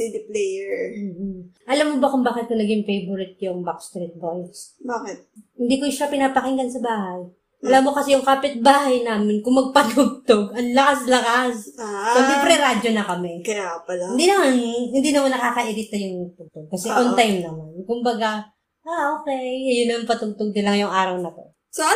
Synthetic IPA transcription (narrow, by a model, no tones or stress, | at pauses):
id̪ɪplɛjɛɹm̩ːʔɐlamːobɐkʊmbaːkɪt̪̚kʊnɐɡɪŋfejbʊɾɪt̪̚jʊŋbakst̪ɾit̪̚bojsbakɛt̪̚hɪnd̪iːkoʃapɪnaːpɐkɪŋɡɐnsɐbaːɦaj | ʔlamːokɐsɛjʊŋkaːpɪt̪̚baːhɐjnaːmɪnkʊŋmɐɡ̚pɐt̪ʊɡ̚t̪oɡɐnlɐkaslɐkasɐɡɪpɾɛɾad͡ʒonɐkɐmɛkɪapɐlaɪnd̪inɐmanhɪnd̪iːnɐmonːɐkaːkɐʔɪɾɪt̪̚ːɐjʊŋnɐɡ̚t̪ʊɡ̚t̪oɡ̚kɐsɛʔont̪ajmnɐmankʊmbɐɡa | ʔaʔoːkɛjjʊnːɐmaŋpɐt̪ʊɡ̚t̪oɡ̚nɐlɐŋjʊŋʔaːɾɐwnɐt̪o̞̰ | so